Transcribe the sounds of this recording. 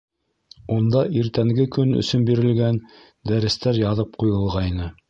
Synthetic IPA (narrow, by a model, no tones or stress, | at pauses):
und̪ɑʔiɾt̪æŋɡɘkɵnɵ̰̆sɵnbiɾɘ̆lɡæn | d̪æɾɘ̆st̪æɾjɑðɤp̚qujɤ̆lˠʁɑinɤ